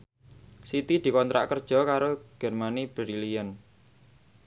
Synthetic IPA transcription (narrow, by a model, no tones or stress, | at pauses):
sit̪id̪̥i̤kɔnt̪ɾʔa̰ʔkərd̥ʒ̥ɔ̤kaɾoɡ̥ɛ̤rmanib̥əɾilijən